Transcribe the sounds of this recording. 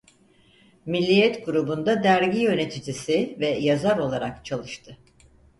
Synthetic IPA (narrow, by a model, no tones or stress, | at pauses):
milʲːijɛt̪ɡuɾubund̪ad̪æɾɟijø̞ne̞t̪ʰid͡ʒisivɛjazaɾo̞lˠaɾakt͡ʃʰalˠɯʃt̪ʰɯ